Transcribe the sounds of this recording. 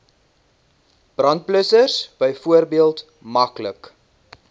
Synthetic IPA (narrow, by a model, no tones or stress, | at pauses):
b̥rɐnt̚pləsərsb̥əjfuərbiəlˠt | mɐklək